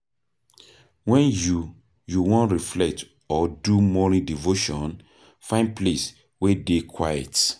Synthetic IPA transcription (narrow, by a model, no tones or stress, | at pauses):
wɛ̃nju | juwɔ̃nɹiflɛk̚t | ɔdumɔlĩdivoʃɔ̃n | fãɪ̃nd̚ples | wedekʰwajɛt